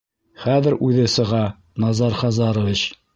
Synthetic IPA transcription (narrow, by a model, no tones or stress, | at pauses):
χæðɘɾʉðɘsɤ̆ʁɑ | nɑzɑɾχɑzɑɾŏvit͡ɕ